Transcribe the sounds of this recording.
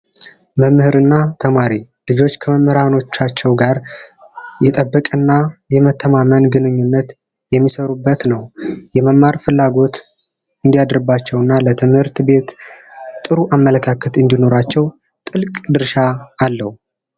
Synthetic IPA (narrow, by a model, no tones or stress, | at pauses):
məmːhɨɾɨnːat̪ʰəmaɾi | lɨd͡ʒo̞t͡ʃːkʰəməmːəɾano̞t͡ʃːat͡ʃːɛwɡaɾ | jɛt̪ʼəbːəkʼɨnːajɛmət̪ʰːəmamənɡɨnɨɲːunːət̪ | jɛmːisəɾubːət̪nəwjɛməmːaɾfɨlːaɡo̞t̪ | ɨnd̪ijad̪ɾɨbat͡ʃːɛwɨnːalət̪ʰɨmhɨɾt̪be̞t̪t̪ʼɨɾuʔamːələkʰakʰət̪ɨnd̪ino̞ɾat͡ʃːɛw | t̪ʼɨlkʼd̪ɨɾʃaːlːəhu